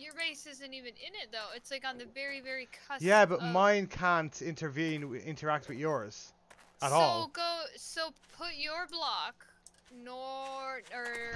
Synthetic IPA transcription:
jə˞ɹeɪsɪzɨ̃ntivɨ̃nɪ̃nɪt̪̚ðoʊɪtslaɪkn̩ðɨvɛɹivɛɹikʰʌjæbʌt̚mãɪ̃nkʰæ̃ntʰɪ̃ntʰə˞vĩnɪ̰̃ntʰə˞ak̚twɨðjɔɹz̥ | əɾɔloɡoʊsoʊpʰʊt͡ʃə˞blɑk | nɔ | ə˞

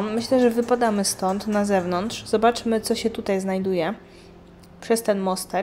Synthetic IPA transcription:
mɘɕlɛʐɛvɘpad̪amɘst̪ɔnt̪nazɛvnɔnt̪ʂz̥ɔbat͡ʂmɘt̪sɔɕɛt̪ut̪ajznajd̪ujɛ | pʂɛst̪ɛnmɔst̪ɛ

